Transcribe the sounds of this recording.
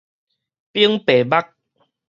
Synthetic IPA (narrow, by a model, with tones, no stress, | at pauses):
pi˦əŋpe˨˩ba˦k̚